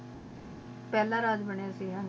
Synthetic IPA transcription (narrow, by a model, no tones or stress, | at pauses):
pɛːlãːɾaːd̪bəɳjaːsiːɦãːn